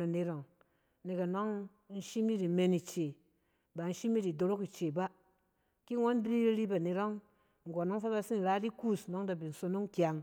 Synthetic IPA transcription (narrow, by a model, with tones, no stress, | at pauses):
ɾa˨ne˧ɾo˨ŋ | ne˨ka˨no˦ŋ | n̩˦ʃi˦mi˦ɾi˨me˧ni˨t͡ʃe˨ | ba˨n̩˦ʃi˦mi˦ɾi˨do˧ɾo˦ki˨t͡ʃe˨ba˦ | ki˦ŋo˦n˦bɾi˦ɾɾi˦ba˨ne˨ɾo˦ŋ | ŋ̩˨ɡo˨nɔ˦ŋ˦fa˦ba˧si˦n̩˨ɾa˦di˦ku˦˨snɔ˦ŋda˨bi˨n̩˨so˧˦no˦ŋ˦kja˨ŋ